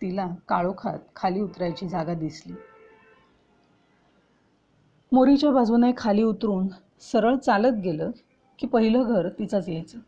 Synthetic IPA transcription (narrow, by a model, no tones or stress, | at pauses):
t̪ilakaɭokʰa̰t̪̚kʰaliːut̪ɾajt͡ɕiːd͡zʱaɡad̪isliː | moɾit͡ɕjabʱad͡zunajkʰaliːut̪ɾuːn | səɾəɭt͡salət̪̚ɡeləː | kiːpəɦiləɡʱəɾt̪it͡sat͡sjajt͡sə